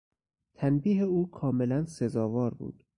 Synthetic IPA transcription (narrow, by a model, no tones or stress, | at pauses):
t̪ʰænbiːɦeuːkʰɒːme̞lænsezɒːvɒːɾbṵːd̪̥